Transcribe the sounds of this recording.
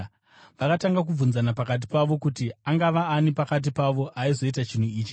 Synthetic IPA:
ʋakataŋɡak̬ub͡vunzanapakat̬i̥paʋo̞kutiaŋɡaʋaːnipakat̬ipaʋo̞ʔaizo̞itat͡ʃin̤uiːt͡ʃi̥

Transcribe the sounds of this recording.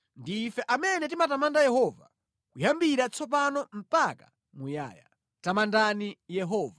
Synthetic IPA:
ndiːfɛʔamɛnɛt̬imatamandajɛɦɔva̰ | kujambiɾat͡sʰɔp̬anɔm̩pakḁ | muja̰ːja̰ | tamandanijɛɦɔːva

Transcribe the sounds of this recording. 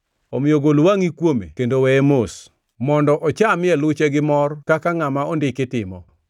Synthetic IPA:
omɪjoɡolwaŋikwomḛkendowɛemos | mɔndɔʔɔt͡ʃamɪɛlʊt͡ʃɛɡɪmɔrkakaŋamaondɪkɪtɪmɔ̰

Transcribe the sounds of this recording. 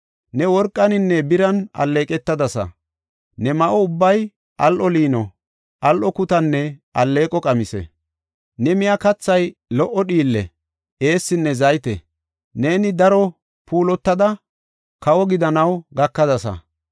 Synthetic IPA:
nɛwɔɾkʼːɐnɪnːɛbɪɾɐnɐ̰lːe̞ːkʼɛt̪ːɐd̪ɐsɐ̰ | nɛmɐʔɔʊbːɐj | ʔɐlʔɔliːnɔ | ʔɐlʔɔkʊt̪ɐnːɛɐlːe̞ːkʼɔkʼɐmɪsɛ̰ | nɛmɪjakɐt͡sːɐjlɔʔːɔɗiːlːɛ̰ | ʔe̞ːsːɪnːɛzɐjt̪ɛ̰ | ne̞ːnɪd̪ɐɾɔ | pʰuːlɔt̪ːɐd̪ɐ | kɐwɔɡɪd̪ɐnɐwɡɐkːɐd̪ɐsɐ̰

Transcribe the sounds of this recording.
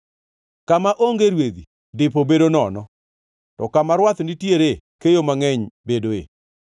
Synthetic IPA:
kamaʔoŋɡeɾwed̪i | dɪpobedonɔnɔ | tɔkamaɾwat̪nitjeɾe | kejomaŋɛɲbedoḛ

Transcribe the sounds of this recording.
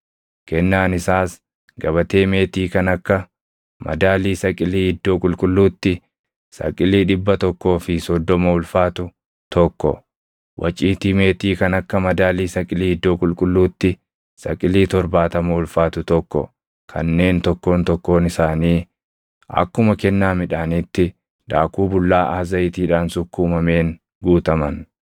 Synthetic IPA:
kɛnːaːnɪsaːs | ɡɐβɐt̪e̞ːme̞ːt̪iːkɐnɐkːɐ | mɐ̰d̪aːliːsɐkʼɪliːɪd̪ːo̞ːkʼʊlkʼʊlːuːt̪ːɪ | sɐ̰kʼɪliːᶑɪbːɐt̪ɔkːo̞ːfɪsɔd̪ːɔmɐʊlfaːt̪ʊ | t̪ɔkːɔ̰ | wʔɐ̰t͡ʃʼːiːt̪iːme̞ːt̪iːkɐnɐkːɐmɐd̪aːliːsɐkʼɪliːɪd̪ːo̞ːkʼʊlkʼʊlːuːt̪ːɪ | sɐ̰kʼɪliːt̪ɔɾbaːt̪ɐmɐʊlfaːt̪ʊt̪ɔkːɔ̰ | kʰɐ̰nːe̞ːnt̪ɔkːo̞ːnt̪ɔkːo̞ːnɪsaːniː | ɐ̰kːʊmɐkɛnːaːmɪᶑaːnit̪ːɪ | d̪̥a̰ːkuːbʊlːaːʔaːzɐjɪt̪iːᶑaːnsʊkːuːmɐme̞ːŋ | ɡuːt̪ɐmɐn

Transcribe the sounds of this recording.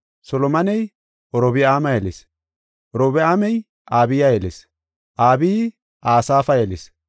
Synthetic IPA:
sɔlɔmɐnɛj | ʔɔɾɔbɪaːmɐjɛles | ʔɔɾɔbɪaːmɛj | ʔaːbɪjajɛles | ʔaːbiː | ʔaːsaːfɐjelḛs

